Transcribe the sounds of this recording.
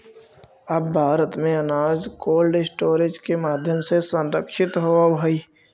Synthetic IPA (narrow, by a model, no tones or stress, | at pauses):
əbbʱaːɾət̪mẽənaːd͡ʒkoːlɖɪsʈoːɾed͡ʒkemaːd̪ʱjəmsesə̃nɾəkʃɪt̪ɦoɦəiː